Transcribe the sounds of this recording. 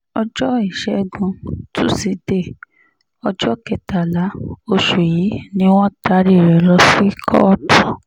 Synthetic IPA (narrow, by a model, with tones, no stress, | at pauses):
ɔ˧d͡ʒɔ˦i˦˨ʃɛ˧˦ɡ͡bũ˧tu˦si˨˦de˦˨ | ɔ˧d͡ʒɔ˦kɛ˨ta˨la˨˦o˧ʃu˨ji˨˦nĩ˧˦w̃ɔ̃˦ta˧˦ɾi˦˨ɾɛ˨lɔ˧˦si˦kʰɔ̰˦ɔ˦tʰɔ̃˦˨